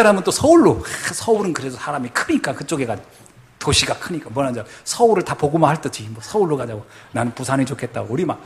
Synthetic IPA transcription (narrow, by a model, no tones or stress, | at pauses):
aɾamɯnt͈osʰʌuɭːosʰʌuɾɯnkɯɾe̞sʰʌsʰaɾamikʰɯɲik͈akɯt͡ɕ͈oɡe̞ɡa | toɕʰiɡakʰɯɲik͈amwʌnad͡ʑasʰʌuɾɯɭtapoɡumahaɭt͈ɯt͡ɕiimbʌsʰʌuɭːokad͡ʑaɡonanɯnpusʰanit͡ɕokʰet̚t͈a̰ɡouɾima